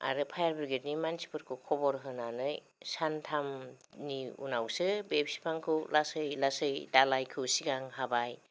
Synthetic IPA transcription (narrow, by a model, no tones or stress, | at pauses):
a̰ɾɯpʰajaɾbiɾɡetnimansi̥pʰɯɾkʰɯkʰɔbɔɾɦɯnanɯj | santʰamniṵnawsɯbepsi̥pʰaŋkʰɯwlasɯjlasɯjdalajkʰɯwsiɡaŋɦabaj